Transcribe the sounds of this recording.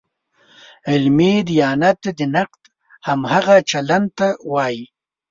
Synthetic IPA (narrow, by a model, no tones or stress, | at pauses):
ɪlmed̪ijɑːnat̪d̪ənaqt̪ | hamhaɣat͡ʃalant̪awɑːji